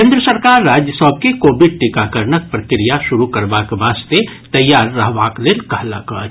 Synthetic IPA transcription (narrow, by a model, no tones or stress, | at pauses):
kẽːnd̪ɾəsəɾkaːɾːaːd͡ʒjəsɔb̚kekoːbɪɖ̚ʈɪkakəɾnək̚pɾəkɾijaʃʊɾukɐɾʋakʋaːst̪et̪ɐjːaːɾːɐɦʋakleːlkəɦlakə̰ɾ